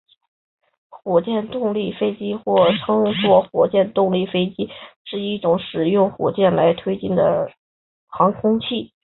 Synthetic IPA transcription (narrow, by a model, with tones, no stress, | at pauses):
xwɔ˨˩t͡ɕjɛ˥˧nt̪ʊ˥˧ŋli˥˩fe˥ɪt͡ɕi˥xwɔ˥˩ʈ͡ʂʰɤ˥ŋswɔ˥˩xwɔ˨˩t͡ɕjɛ˥˧nt̪ʊ˥˧ŋli˥˩fe˥ɪt͡ɕi˥ʂɻ̩˥˧i˥˩ʈ͡ʂʊ˧˥ŋʂɻ̩˨˩jʊ˥˩ŋxwɔ̰˨˩t͡ɕjɛ˥˩nla˧˥ɪt̪ʰwe˥ɪt͡ɕi˥˩nd̪ə̰˩ | xɑ˧˥ŋkʰʊ˥ŋt͡ɕʰi˥˩